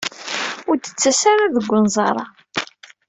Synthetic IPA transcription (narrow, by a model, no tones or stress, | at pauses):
ʊɾt̪ə̥t͡sːæsaɾaðəɡʷːənzˤɑɾˤɑ